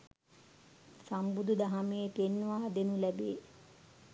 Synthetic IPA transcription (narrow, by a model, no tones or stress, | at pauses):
sambud̪ud̪aɦamejet̪enːʋaːd̪enulæbeː